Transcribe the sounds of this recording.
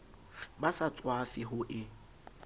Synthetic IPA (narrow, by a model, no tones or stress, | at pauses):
basat͡sʼwafɪɦʊʔɪ